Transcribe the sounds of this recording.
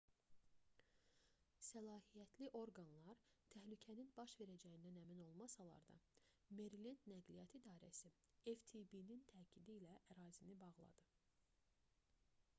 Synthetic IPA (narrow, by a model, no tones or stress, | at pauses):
sælˠɑːhijæt̪ʰliʔo̞ɾɡɑnlˠɑɾt̪ʰæhlycʰæninbɑʃve̞ɾæd͡ʒæjind̪ænæmino̞lˠmɑsɑlˠɑ̰ɾd̪ɑ̰me̞ɾilinːæɡlijɑt̪ʰid̪ɑːɾæsi | eft̪ʰibinint̪ʰæːcʰid̪iːlæʔæɾɑːzinibɑʁlˠɑ̰d̪̥ɯ